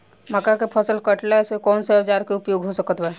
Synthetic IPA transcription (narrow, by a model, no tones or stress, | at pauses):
məkakepʰəsəlkəʈlasekɔːnsed͡ʒaɾkeʊpjoːɡɦosəkət̪bɛ